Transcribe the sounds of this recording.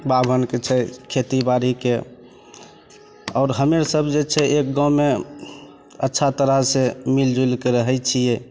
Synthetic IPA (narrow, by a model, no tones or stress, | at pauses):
babʱənket͡ʃʰɛkʰet̪ibaɾike | ɔːɾɦəmeɾsəbd͡ʒet͡ʃʰɛʔek̚ɡãwme | ətːʃʰat̪əɾəɦsemild͡ʒulkeɾəɦəjt͡ʃʰijɛ